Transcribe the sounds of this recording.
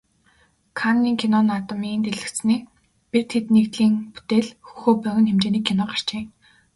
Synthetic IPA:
kʰanːiːŋkʰinɔnat̪ə̆miːnt̪eɮɘ̆kt͡ss̆niː | pirt̪ʰet̪nekt̪ɮiːŋpu̥t̪eːɮxu̥xoːpœɣʲɘ̆nxemt͡ɕeːniːkʰːinɔːɢar̥t͡ɕiː

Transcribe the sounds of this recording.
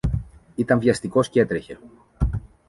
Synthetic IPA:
it̪ɐɱvʝɐst̪iko̞sce̞t̪ɾe̞çe̞

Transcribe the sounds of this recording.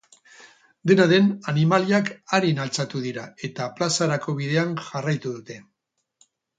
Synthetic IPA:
d̪e̞naðe̞nanimaliakaɾinalt͡sat̪uðiɾae̞t̪aplasaɾako̞β̞ið̞e̞anʝarajt̪uðut̪e̞

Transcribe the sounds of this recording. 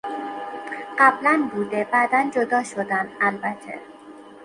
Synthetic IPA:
ɢæblænbuːd̪ebæd̪ænd͡ʒod̪ɒːʃod̪ænd̪ælbæt̪ʰḛ

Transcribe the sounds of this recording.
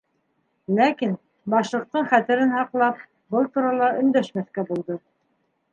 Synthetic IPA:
lækin | bɑʃlˠɤ̆q̚t̪ɤɴχæt̪ɘ̆ɾɘnhɑqlˠɑp̚ | bɤlˠt̪uɾɑlˠɑʔɵ̆nd̪æʃmæθkæbulˠd̪ɤ

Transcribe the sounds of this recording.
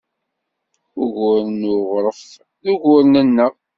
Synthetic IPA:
ʊʝʊɾnʊʁɾˤəf | ðuʝʊɾnænːə

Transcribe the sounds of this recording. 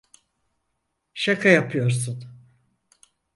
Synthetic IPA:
ʃakʰajapʰɯjo̞ɾsun

